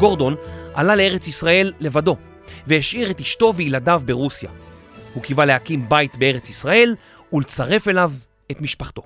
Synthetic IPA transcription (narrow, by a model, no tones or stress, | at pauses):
ɡo̞ʁdo̞nʔa̰lalee̞ʁet͡sisʁae̞lːe̞vado̞ | veheʃiʁetiʃto̞veiladavbeʁusja̰ | hukivalehakimbajtbee̞ʁet͡sisʁae̞l | ulet͡saʁe̞fe̞lav | e̞tmiʃpaχt̪o̞̰